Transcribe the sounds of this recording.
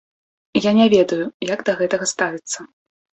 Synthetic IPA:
janʲɛvʲɛd̪ɐjujaɡd̪ɐɣɛt̪ɐɣɐst̪avʲit̪sːɐ

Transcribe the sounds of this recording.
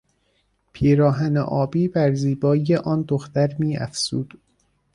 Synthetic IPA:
pʰiːɾɒːɦænḛʔɒːbiːbæɾziːbɒːjeʔɒːnd̪oxt̪æɾmiːæ̰fz̥uːd̪̥

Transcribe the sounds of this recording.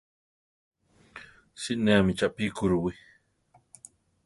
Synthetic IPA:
siʔneamit͡ʃaʔpikuɾuwi

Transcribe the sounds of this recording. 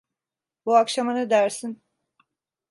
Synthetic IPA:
buakʃamanɯd̪æɾsin

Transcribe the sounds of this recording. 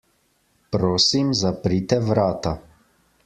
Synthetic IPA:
pɾoːsimzapɾit̪ɛʋɾaːt̪a

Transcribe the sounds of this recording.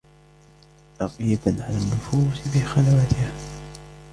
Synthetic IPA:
lɑqijad̪aʕalanːʊfuːsfixalawat̪ɪha

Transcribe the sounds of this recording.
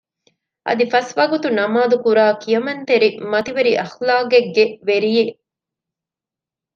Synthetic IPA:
ʔɐ̰d̪ifɐsʋɐɡut̪unɐmaːd̪ukuɾaːkijɐmɐnt̪eɾimɐt̪iʋeɾiʔɐxlaːɡeɡːeʋeɾije

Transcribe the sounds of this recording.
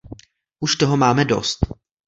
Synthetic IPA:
ʔuʃt̪oɦomaːmɛdo̞̰st̪

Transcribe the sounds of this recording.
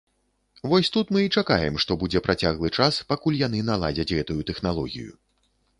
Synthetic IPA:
vɔsʲt̪ut̪mɨit͡ʂaka̰jɛmʂt̪ɔbud͡zʲɛpɾʔat͡sʲaɣlˠɨt͡ʂaspakulʲjan̪ɨn̪alˠa̰d͡zʲɐt͡sʲɣɛt̪ujut̪ɛxnalˠɔ̰ɣʲḭjṵ

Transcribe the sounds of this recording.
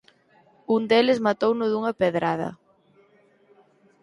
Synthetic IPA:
und̪elɪzmat̪ownʊðuŋɐpeðɾað̞ɐ̰

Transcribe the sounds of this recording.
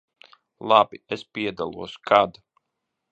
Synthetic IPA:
lˠabiɛspiɛd̪alˠṵɔskʰad̪

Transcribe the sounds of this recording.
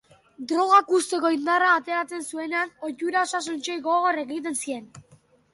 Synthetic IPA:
d̪ɾo̞ɣ̞akust̪e̞ko̞ind̪araːt̪e̞ɾat͡se̞nsue̞neano̞cuɾao̞sas̬unt͡ʃejɣo̞ɣore̞ɣit̪̬e̞nsie̞n

